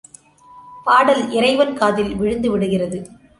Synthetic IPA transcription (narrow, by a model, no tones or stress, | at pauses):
paːɽɐlʔɪɾɐɪʋɐnkaːðɪlʋɪɻɯnd̪ɯʋɪɽɯɣɪrɐðɯ